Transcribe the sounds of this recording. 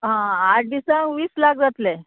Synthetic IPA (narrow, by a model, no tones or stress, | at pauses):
ɦãaʈ̚disãŋʋiːslak̚d͡zat̪le